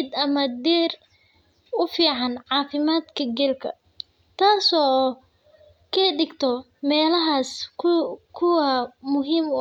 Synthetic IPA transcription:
d̪ɐmɐd̪ɛːr | ʊfiːʕɑnʕɑːfɪmaːd̪kʰɐɡɛlkʰɐ̰ | t̪ʰaːsɔː | kʰɐːɖɪɡt̪ʰɔ | mɛːlɐɦaːsʰ | kʰʊwɐmʊɦiːm

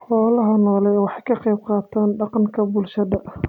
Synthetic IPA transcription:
ħɔːlɐɦɐnɔːlɛjwɑħɑjkʰɐqɛjb̚qɑːt̪ʰaːnɖɑqɑŋkʰɐbʊlʃɐðɐʔ

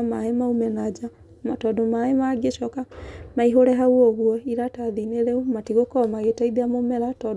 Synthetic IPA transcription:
maemaumɛnad͡ʒa | matɔdomaemaɡeʃɔkamaiɦoɾɛɦauɔɣwɔiɾataðineɾeumatiɣokɔmaɣetaiðeamomɛɾatɔ

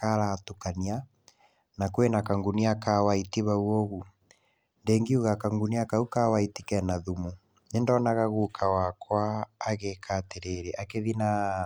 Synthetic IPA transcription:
kaɾatukania | nakwenakaŋɡuniakawaitiβauoɣu | ndeːŋɡiuɣakaŋɡuniakaukawaitikɛnaðumu | nendɔːnaɣaɣukʰawakwaːɣekʰateɾeɾɛʔakeðina

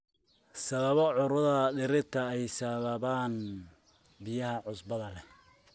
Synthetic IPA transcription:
sɐβɐβɔʕʊɾʊðɐɖɪɾɪt̪ʰɐɛjsɐβɐβaːn | bɪjɐɦɐʕʊsbɐðɐlɛ

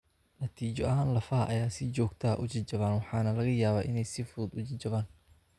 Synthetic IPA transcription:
nɐt̪ʰiːt͡ʃɔʔɐɦaːnlɐfɐ̰ʔɐjaːsɪt͡ʃɔːɡt̪ʰɐ̰ʔʊt͡ʃɪt͡ʃɐβaːnwɑħɑːnɐlɐɣɐjaːβaːʔɪnɛjsɪfuːd̪ʊt͡ʃɪt͡ʃɐβaːn

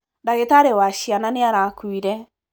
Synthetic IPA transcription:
ndaɣetaɾewaʃiananeaɾakuiɾɛ

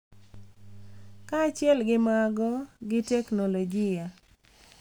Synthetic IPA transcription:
kat͡ʃjɛlɡɪmaɡɔɡɪtɛknoloɡɪja

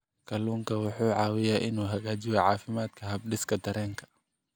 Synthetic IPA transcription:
kʰɐluːŋkʰɐwʊħuːʕɑːwɪjaːʔɪnuːɦɐɣaːt͡ʃɪjɐʕɑːfɪmaːd̪kʰɐɦɐb̚ɖɪskʰɐd̪ɐɾɛːŋkʰɐ̥

